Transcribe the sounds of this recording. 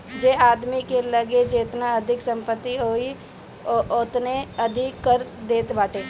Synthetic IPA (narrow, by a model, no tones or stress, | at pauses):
d͡ʒeaːd̪mikeləɡed͡ʒeːt̪naɐd̪ʱɪksə̃mpət̪ːiɦoːi | ʔot̪neəd̪ʱɪkːəɾd̪eːt̪baːʈeː